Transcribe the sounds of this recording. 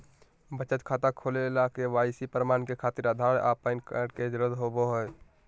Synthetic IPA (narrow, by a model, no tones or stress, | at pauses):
bət͡ʃət̪kʰaːt̪akʰoːlelakeʋaːɪsipɾmaːnkekʰaːt̪iɾad̪ʱaːɽʔaːpənkəɽked͡ʒɾəd̪ɦoboɦoj